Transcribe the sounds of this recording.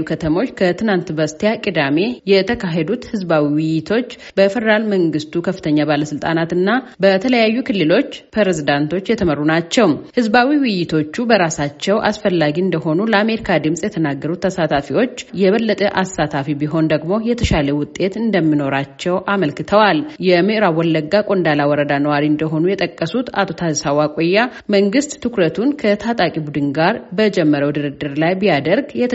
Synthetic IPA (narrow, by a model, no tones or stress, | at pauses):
ukʰət̪ʰəmo̞t͡ʃːkʰət̪ʰɨnant̪bəst̪ʰejakʼid̪ame̞jɛt̪ʰəkʰaɦed̪ut̪hɨzbawiwɪjɪt̪ʰo̞t͡ʃː | bəfɛd̪əɾalməŋɡɨst̪ukʰəfːɨ̥t̪ʰəɲːabaləsɨlt̪ʼanat̪ɨnːabət̪ʰələjajːukʰɨlːɨlo̞t͡ʃːpʰɾeɾezid̪ant̪ʰo̞t͡ʃːjɛt̪ʰəmərːunat͡ʃːɛwmhɨzbawiwɪjɪt̪ʰo̞t͡ʃːubəɾasat͡ʃːɛwʔasfəlːaɡiɨnd̪əɦo̞nuləame̞ɾikʰad̪ɨmsʼjɛt̪ʰənaɡːəɾut̪ːʰəsat̪ʰafiwo̞t͡ʃːjɛβəlːət̪ʼəʔasat̪ʰafibiɦo̞nd̪əɡmo̞jɛt̪ʰəʃaləwʊt̪ʼːe̞t̪ɨnd̪əmːino̞ɾat͡ʃːɛwʔaməlkɨt̪ʰəwaljɛmɨʔɾawɔlːəɡːakʼo̞nd̪alawɔɾəd̪anəwaɾiɨnd̪əɦo̞nujɛt̪ʼəkʼːəsut̪a̰t̪ʰo̞t̪ʰazəsawakʼojːaməŋɡɨst̪t̪ʰɨkɾət̪ʰunkʰət̪ʰat̪ʼakʼibud̪ɨnɡaɾbəd͡ʒɛmːəɾəwd̪ɨɾɨd̪ɨɾlajbijad̪əɾɡjɛt̪ʰ